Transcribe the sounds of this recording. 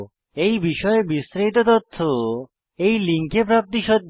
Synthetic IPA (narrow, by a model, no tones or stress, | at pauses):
ejbiʃɔebist̪ɾejt̪ot̪ot̪ʰːo | ejliŋkepɾap̚t̪iʃɔt̪̚ː